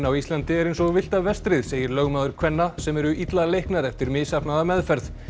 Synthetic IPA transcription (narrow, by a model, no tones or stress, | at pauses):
nawist̪lant̪ɪɛɾejnsɔɣvɪl̥t̪avɛst̪ɾɪðseːjɪɾlœɣmaːðʏɾ̥kʰv̥ɛnːasɛmɛɾʏʔit̪lalejhknaɾɛft̪ɪɾmɪːsapnaðamɛðfɛɾð